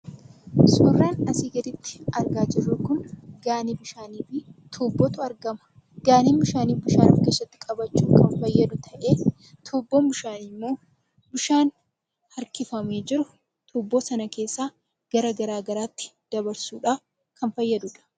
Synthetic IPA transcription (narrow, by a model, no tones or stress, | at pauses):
sʼʊːrːaːnɐsiːɡɐd̪ɪt̪ːɪ̥ɐɾɡaːd͡ʒɪrːʊkʊnɡaːnibɪʃaːniːfɪt̪ʰuːbːɔt̪ʊɐɾɡɐmɐ̥ | ɡ̥aːniːnbɪʃaːniːfbɪʃaːnɐ̰fkɐsɐt̪ːɪ̥kʼɐbɐt͡ʃːuːkɐnfɐjːɐd̪ʊt̪ʰɐʔe̞ː | t̪ʰuːbːoːmbʊʃaːnɪmːo̞ː | bʊʃaːn | hɐɾkɪfɐmeːd͡ʒɪɾʊ | t̪ʰuːbːoːsɐnɐke̞ːsːaː | ɡ̥ɐɾɐɡɐɾaːɡɐɾaːt̪ːɪ̥d̪̥ɐbɐɾsuːᶑɐ | kʰɐnfɐjːɐd̪ʊᶑɐ̥